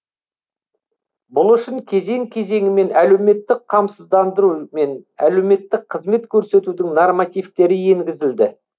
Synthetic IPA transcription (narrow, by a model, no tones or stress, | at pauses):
bʊlˠʏʃɪŋkʲʰe̞ze̞ŋkʲʰe̞ze̞ŋɪme̞næle̞wme̞t̪ːɪqqʰɑmsəzd̪ɑnd̪əɾume̞næ̰le̞wme̞t̪ːɪq̚qʰəzme̞t̪kʲʰɵɾse̞t̪ud̪ɪŋnormɑt̪ijft̪e̞ɾɪje̞ŋɡʲɪzɪld̪ɪ